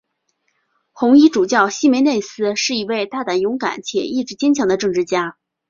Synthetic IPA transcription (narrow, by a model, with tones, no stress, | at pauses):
xʊ˧˥ŋi˥ʈ͡ʂu˨˩t͡ɕjɑ˥˩ʊɕi˥me˧˥ɪne˥˩ɪsɹ̩˥ʂɻ̩˥˩i˧˥we˥˧ɪt̪a˥˩t̪a˨˩njʊ˧˥ŋka̰˨˩˦nt͡ɕʰjɛ̰˨˩i˥˩ʈ͡ʂɻ̩˧˥t͡ɕjɛ˥nt͡ɕʰjɑ˧˥ŋd̪ə˧ʈ͡ʂɤ˥˧ŋʈ͡ʂɻ̩˥˩t͡ɕja˥